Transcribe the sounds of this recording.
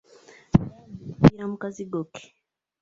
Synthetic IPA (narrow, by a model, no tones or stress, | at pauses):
piam̩kaziɡɔkɛ̥